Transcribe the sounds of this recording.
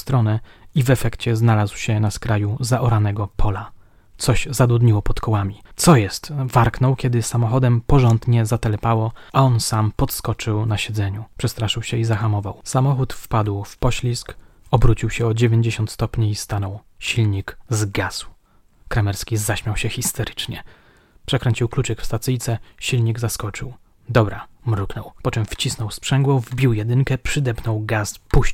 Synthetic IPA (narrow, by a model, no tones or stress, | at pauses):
st̪ɾɔnɛivɛfɛkt͡ɕɛznalazwɕɛnaskɾajuzaʔɔɾanɛɡɔpʰɔla | t̪sɔɕzad̪ud̪ɲiwɔpɔt̪kɔwamʲit̪sɔjɛst̪vaɾknɔ̃wkʲɛd̪ɘsamɔxɔd̪ɛmpɔʐɔnd̪ɲɛzat̪ɛlɛpawɔʔaɔnsampɔt̪skɔt͡ʂɘwnaɕɛd̪zɛɲupʂɛst̪ɾaʂɘwɕɛizaxamɔvawsamɔxut̪fpad̪wfpɔɕlʲiskɔbɾut͡ɕiwɕɛɔd͡ʑevʲjeɲd͡ʑeɕɔnt̪st̪ɔpɲiːst̪anɔw | ɕilɲikzɡazw | kɾamɛɾskʲizaɕmʲjawɕɛxʲist̪ɛɾɘt͡ʂɲɛ | pʂɛkɾɛɲt͡ɕiwklut͡ʂɛkfst̪at̪sɘjt̪sɛɕilɲiɡzaskɔt͡ʂɘw | d̪ɔbɾamɾuknɔwpɔt͡ʂɛmft͡ɕisnɔwspʂɛŋɡwɔvbʲiwjɛd̪ɘŋkɛpʂɘd̪ɛpnɔwɡaspuɕ